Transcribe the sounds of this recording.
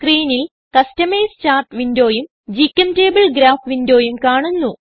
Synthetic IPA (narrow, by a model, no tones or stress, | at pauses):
skriːnil | kɐstɐmejst͡ɕaːrʈʋindo̞ːjum | d͡ʑikʲːɐnte̞ːbɐɭɡɾaːfʋindoːjumkaːɳunːu